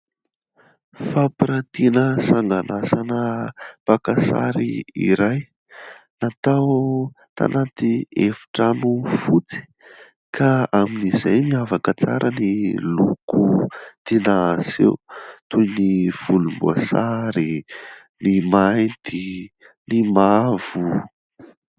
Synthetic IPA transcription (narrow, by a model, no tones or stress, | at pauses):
fapiɾat̪inəsaŋɡanasanəpakasa̰ɾiḭɾaj | nat̪aw | t̪a̰nat̪iefi̥ʈ͡ʂanufut͡si̥ | kʰaaminizajmiavakət͡sa̰ɾʔənilukut̪enasḛwt̪ujniv̥ulumbua̰saɾi | nimaj̪d̪̥i | nimavu